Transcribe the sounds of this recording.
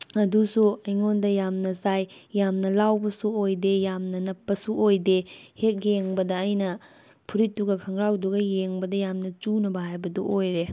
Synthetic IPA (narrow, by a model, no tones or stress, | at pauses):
ɐdusuɐjŋondɐjamnɐsajːamnɐlawbɐsuojdejamnɐnɐpːɐsuʔojdehek̚jeŋbɐdɐːjnɐ | pʰuɾitːuɡɐkʰɐŋɾawduɡɐjeŋbɐdɐjamnɐt͡ʃunɐbɐɦajbɐdɔʔojɾe